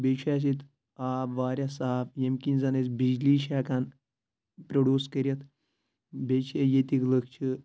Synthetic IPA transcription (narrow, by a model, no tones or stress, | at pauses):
beʃʰas̬it̪ | aːbʋaːɾʲjasaːfjemkinzanesbid͡ʒliːʃ̬akan | pɾoɖjuːskəɾʲjɐt̪ | bet͡ʃʰejet̪ikləkt͡ʃʰi